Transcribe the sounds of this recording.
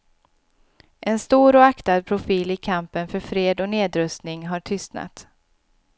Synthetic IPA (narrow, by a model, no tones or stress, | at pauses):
ʔɛnst̪uːɾɔakt̪ad̪̚pʰɾʊfiːlɪkʰampənfœɾfɾeːd̪ɔneːd̪ɾɵst̪nɪŋɦaʈʰʏst̪na̰t̪